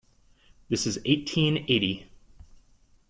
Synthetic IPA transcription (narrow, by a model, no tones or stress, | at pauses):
ðɪsɨzeɪtʰĩneɪɾi